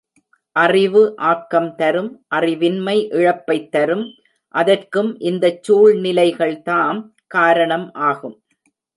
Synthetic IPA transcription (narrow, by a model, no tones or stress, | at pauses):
ʔɐrɪʋɯʔaːkːɐmt̪ɐɾɯmʔɐrɪʋɪnmɐɪʔɪɻɐpːɐɪt̪ːɐɾɯm | ʔɐðɐrkɯmʔɪnd̪ɐt͡ʃːuːɻnɪlɐɪɣɐɭt̪aːn | kaːɾɐɳɐmʔaːɣɯm